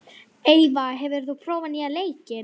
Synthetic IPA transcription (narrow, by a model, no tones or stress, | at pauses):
eːjvaɦɛvɪɾ̥θupʰɾɔːwvaniːaleːjcɪ